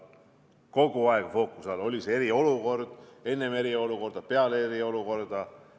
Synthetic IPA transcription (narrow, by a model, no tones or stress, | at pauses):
ko̞ɡ̥uɑeɡ̥fo̞ːkːˑusɑlo̞lʲiseeɾio̞luko̞rd̪̥e̞nːe̞me̞ɾio̞luko̞rd̪̥ɑpe̞ɑleɾio̞luko̞rd̪̥ɑ